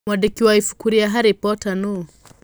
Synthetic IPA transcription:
mwadikiwaifu̥kuɾiaɦaɾipɔtanu

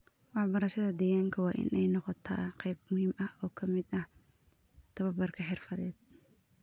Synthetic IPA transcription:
wɑħbɐɾɐʃɐðɐd̪ɛjaːŋkʰɐwɑːʔɪ̰nʔɛjnɔqɔt̪ʰa̰ːqɛjbmʊhiːmɐhɔːkʰɐmɪd̪ɐh | t̪ʰɐβɐbɐrkʰɐħɪrfɐðɛːd̪̥̚

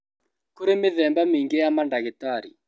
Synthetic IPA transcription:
koɾemɪðɛmbamiŋɡejamandaɣetaːɾḭ

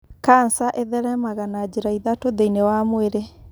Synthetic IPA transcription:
kansaʔeðɛɾɛmaɣanad͡ʑeɾaiðatoðeinewamweɾe

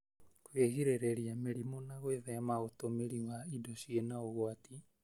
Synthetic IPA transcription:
kweɣiɾeɾeɾiameɾimonaɣweðɛmaɣotomeɾiwaidɔʃjenaoɣwati

